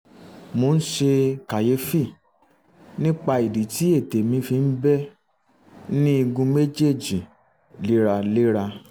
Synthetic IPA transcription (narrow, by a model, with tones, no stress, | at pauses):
mo˧n̩˦ʃe˧ka˨je˧˦fi˦˨ | nĩ˦k͡pa˧i˨di˨ti˨˦e˦˨te˨mĩ˧fi˧n̩˦bɛ˦ | nĩ˦i˧ɡũ˧me˦d͡ʒe˦˨d͡ʒi˨ | le˦ɾa˧le˦ɾa˧